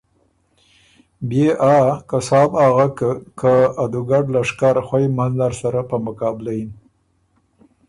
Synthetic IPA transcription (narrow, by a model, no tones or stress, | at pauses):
beʔakasɑːbaɣakkaːd̪uɡaɖlaʂkaɾxwajmanlaɾsaɾapəmʊkɑbɪlajin